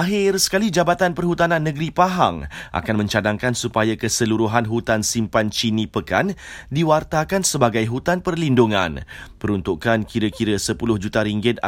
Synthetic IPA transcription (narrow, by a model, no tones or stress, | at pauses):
aɦɪrsə̥kalid͡ʒabat̪anpərhut̪anãnːə̃ɡɾipaɦa̰ŋʔa̰kanmə̃ɲt͡ʃadaŋkansupajakəsəluɾuɦanɦut̪ansimpant͡ʃinĩpəkandiwart̪akansəbaɡajɦut̪anpərlinduŋã̰npəɾunt̪uʔkankiɾəkiɾəsəpulʊhd͡ʒut̪aɾiŋɡɪt̪̚a